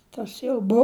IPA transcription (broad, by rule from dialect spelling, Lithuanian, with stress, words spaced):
ˈtɐs jɛʊ ˈbʊ